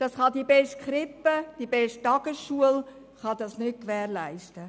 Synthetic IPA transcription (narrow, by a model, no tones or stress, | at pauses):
d̥ɑsχɑdibɛʃt̚χɾɪpːəd̥ibɛʃttːɑɡ̥əsʃuəl | χɑd̥̪ɑsnʏt̚kʋɛːɾlæɪʃtə